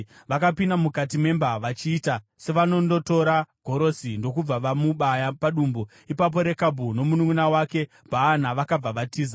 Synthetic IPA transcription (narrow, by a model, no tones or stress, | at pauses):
ʋakapindamukat̬ime̞mbaʋat͡ʃiːta | se̞ʋano̞ndo̞to̞ɾaɡʱo̞ɾo̞sindo̞kub͡vaʋamuɓajapaɗuːmbo | ipap̬o̞ɾe̞kabʱuno̞munuŋunawake̞ | paːn̤aʋakab͡vaʋatiːza